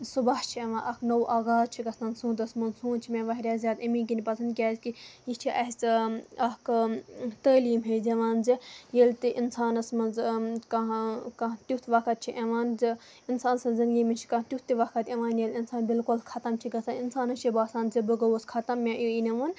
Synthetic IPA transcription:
subaht͡ʃʰiɐʋãːnʔɐknɐwʔaːɡaːzt͡ʃʰiɡɐst̪aːnsũːt̪̬ɐsmɐnsũːt͡ʃʰimʲẽʋɐɦɾʲaːzʲjaːd̪ɐmĩːk̬inʲipɐsʰɐnd̪̚kʲaːzkijit͡ʃʰiʔɐɦt͡sɐk | t̪əːliːmɦezɐʋaːnzijelt̪iʔinsaːnɐsmɐnzkɐkɐt̪ut̪ʰʋɐkɐt̪̚t͡ʃʰiʔɐʋaːnzi | insaːnsɐnzɐnɡʲimint͡ʃʰi̥kɐ̃t̪ʲut̪ːiʋɐkɐt̪ʲeʋaːnjelinsaːnbilkulkʰɐt̪ɐmt͡ʃʰiɡɐst̪aninsaːnɐt͡ʃʰibaːsaːnzibɨɡɐwɐskʰɐt̪ɐmːẽʔiinɐʋɐn

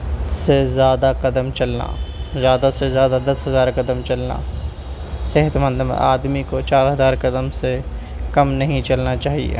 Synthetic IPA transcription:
sezjaːd̪aqɐd̪əmt͡ʃɐlna̰zjaːd̪asezjaːd̪ad̪ɐsɦɐzaːɾkɐd̪əmt͡ʃɐlna̰ | sɛɦət̪mə̃nd̪m̰aːd̪mikot͡ʃaːɾɦɐzaːɾkɐd̪əmse | kɐmnɐɦĩt͡ʃɐlnat͡ʃaːɦḭḛ

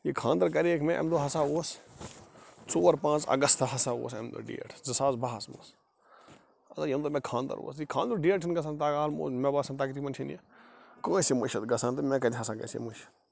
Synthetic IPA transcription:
jikʰãːnd̪ɐɾkɐɾeːkmẽʔɐ̰md̪oɦɐsaːoːs | t͡soːɾpãːt͡sɐ̰ɡɐst̪ɦɐsaːo̰ːsɐmd̪o̰ɖḭːʈʰzɐsaːzbaːɦɐsmo̰ːs | ɐzajɐmd̪oːmẽkʰãːnd̪ɐ̰ɾʋo̰ːsikʰãːnd̪uɖiəɾʈʰinɡɐs̬ãːnt̪̬aːkaːlmo̰ːsmɛbaːsɐnt̪aːkit̪ʰimɐnt͡ʃʰinḭjakõːsemuʃɐt̪ɡɐsãːnt̪umɛ̃ːkɐd̪ʲiɦɐsãːɡɐ̰sḛmuʃɐ̥t̪

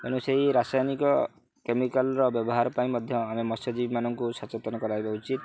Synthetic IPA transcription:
enusaiɾasajnikɔ | kemikalɾɔbjɔbɔɦaɾɔpaĩmɔd̪ʱjɔamemɔsɔd͡ʒibimanɔŋkusat͡ʃɔt̪ɔnɔkɔɾajbaut͡ʃit̪

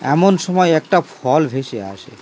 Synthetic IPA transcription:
ɛ̰monʃɔmɔeɛk̚ʈafʰɔlbʱeʃea̰ʃḛ

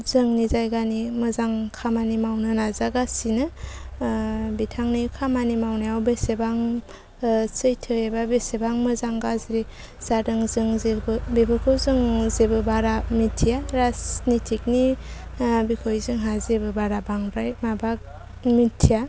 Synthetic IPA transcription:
zɯŋnizajɡanimɯzaŋkʰamanimawnɯnazaɡasinɯ | bitʰaŋnikʰamanimawnajawbesebaŋ | sɯjtʰɯebabesebaŋmɯzaŋɡazɾi | z̥adɯŋzɯŋzebɯbebɯkʰɯwzɯŋzebɯbaɾamitʰijaɾasnitʰik̚ni | bikʰojzɯŋɦazebɯbaɾabaŋɾajmabak̚ | mitʰija

